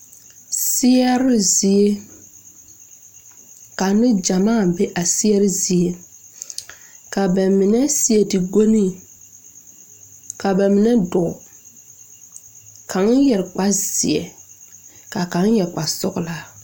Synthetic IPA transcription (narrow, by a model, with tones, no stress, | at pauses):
sɪ˦ɛ˦ɾɪ˦zi˨e˦ | ka˨˦nɪ˦d͡ʒa˨maː˦˨bɛ˦ʔa˨sɪ˦ɛ˦ɾɪ˦zi˨e˦ | ka˨ba˨mɪ˨nɛ˦sɪ˦ɛ˨ti˨ɡo˦ni˦˨ | ka˨bɛ˨mɪ˨nɛ˦dɔ˨ | kʰa˨˦ŋ˦jɛ˨ɾk͡pa˦z̥ɪ̰˨ɛ̰˨ | ka˨ka˨˦ŋ˦jɛ˨ɾk͡pa˨sʊ˦ɡla˦